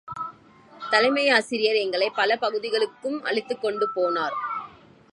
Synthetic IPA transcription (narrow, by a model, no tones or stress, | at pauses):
t̪ɐlɐɪmɐɪaːsɪɾɪjɐɾɛŋɡɐɭɐɪpːɐlɐpɐɣɯðɪɣɐɭɯkːɯmɐ̰ɭɪt̪ːɯkːɔɳɖɯpoːnaːɾ